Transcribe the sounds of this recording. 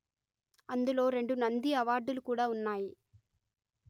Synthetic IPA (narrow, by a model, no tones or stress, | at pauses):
ɐnd̪ɯloːɾɛɳɖɯnɐnd̪iɐʋaːɾɖɯlkuːɽɐʊnːaːj